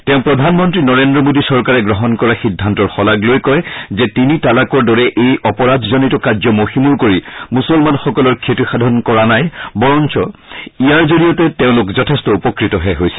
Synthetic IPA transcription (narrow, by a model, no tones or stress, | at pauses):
tɛʊ̃pɹɔdʱanmɔntɹinɔɹendɹɔmodisɔɹkaɹɛɡɹɔɦɔnkɔɹaxidʱːantɔɹxɔlaɡlojkɔjzɛtinitalakɔɹdɔɹɛʔejʔɔpɔɹadʱzɔnitɔkazɔmoximuɹkoɹimusɔlmanxɔkɔlɔɹkʰetixadʱɔnkɔɹanajbɔɹɔnt͡ʃɔijaɹzolijɔtɛteʊ̃lʊkzɔtʰɛstɔupɔkɹitɔɦɛɦojsɛ̥